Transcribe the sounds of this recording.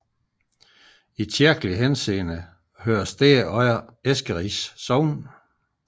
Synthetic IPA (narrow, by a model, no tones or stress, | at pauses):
it͡sʰiɐɡ̥əliɦense̝̰ːnə | høːɐsd̥eːɒɪɐesɡ̥əʁisːɒʊn